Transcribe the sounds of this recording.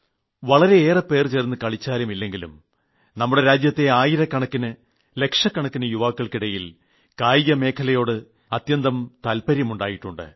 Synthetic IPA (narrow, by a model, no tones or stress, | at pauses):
ʋɐɭɐɾe̞ːrɐpe̞ːrt͡ɕernːɨkɐɭit͡ɕːaːlumilːe̞ŋɡilṵm | nɐmːuɽe̞ɾaːd͡ʑjɐt̪ːe̞aːjiɾɐkːɐɳɐkːinɨ | le̞kʂɐkːɐɳɐkːinɨjuʋaːkːɐɭkiɽɐjil | kaːjijɐme̞ːkʰɐlɐjo̞ːɽɨ | ɐt̪jɐnd̪ɐmt̪ɐlpɐɾjɐmuɳɖaːjiʈːuɳɖɨ̰